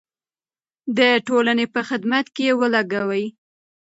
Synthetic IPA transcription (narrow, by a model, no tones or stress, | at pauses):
d̪əʈolanepəxɪd̪mat̪kejewəlaɡawəj